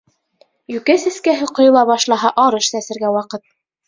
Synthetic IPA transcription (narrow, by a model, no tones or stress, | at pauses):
jʉkæsɘ̆skæɦɘqŏjŏlˠɑβɑʃlˠɑɦɑʔɑɾɤʃsæsɘ̆ɾɡæwɑqɤt̪̚